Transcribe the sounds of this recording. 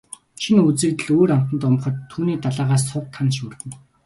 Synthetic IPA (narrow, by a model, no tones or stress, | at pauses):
t͡ɕʰinut͡sɘ̆kt̪ɘ̆ɮoːɾam̥t̪ə̆nt̪ʊmχə̆t̪ʰːuːniːt̪aɮaːʁaːs̬ːʰʊwʰanʃuːrt̪ɘ̆n